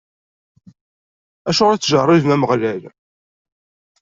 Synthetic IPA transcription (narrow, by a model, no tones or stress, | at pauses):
æʃʊʁɾæt͡sːʒərˤːɪðmæməʁlæl